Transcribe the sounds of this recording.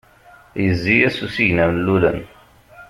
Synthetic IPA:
jəzːijæsusiʝnæmnlːulə̰n

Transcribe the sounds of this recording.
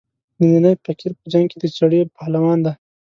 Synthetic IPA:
nininajpakiɾpəd͡ʒaŋɡ̚ked̪ət͡ʃaɽepalawɑːnd̪a

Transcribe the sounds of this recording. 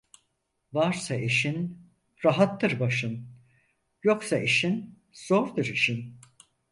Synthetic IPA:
vaɾsaeʃin | ɾaɦat̪ːɯɾbaʃɯn | jo̞ksaʔiʃin | z̥o̞ɾd̪ɯɾiʃin

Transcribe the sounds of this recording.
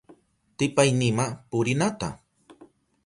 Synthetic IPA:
t̪ɪpajnɪmapʊɾɪnat̪a̰

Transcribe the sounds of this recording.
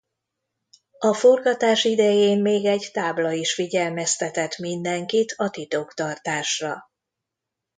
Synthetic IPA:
ɒfo̞rɡɒt̪aːʃid̪ɛjeːmmeːɡɛɟt̪aːblɒiʃfiɟɛlmɛst̪ɛt̪ɛt̪mind̪ɛŋkit̪ʰɒt̪it̪okt̪ɒrt̪aːʃrɒ

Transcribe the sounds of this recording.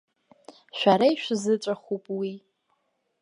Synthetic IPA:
ʃʷᶣaɾajʃʷᶣzɨʈ͡ʂʷʼaχupʼwi

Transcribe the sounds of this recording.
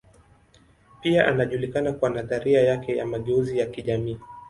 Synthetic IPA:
piaʔanaʄulikanakuanataɾiajakɛja̰maɠɛuzijakiʄamiː

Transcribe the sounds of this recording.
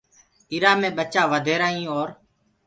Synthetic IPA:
ɪɾaːmẽːɓət͡ʃaːʋəd̪ʱeːɾaːĩːoːɾ

